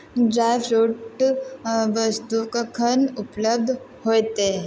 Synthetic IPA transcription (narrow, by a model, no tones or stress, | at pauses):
ɖɾajfɾuʈ | ʋəst̪ukəkʰənupləb̚d̪ʱ | hojt̪e